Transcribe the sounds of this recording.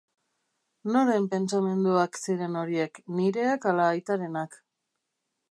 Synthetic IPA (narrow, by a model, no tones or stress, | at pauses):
no̞ɾempe̞nt͡same̞nd̪uaksiɾe̞no̞ɾie̞kniɾe̞akalaːjt̪aɾe̞nak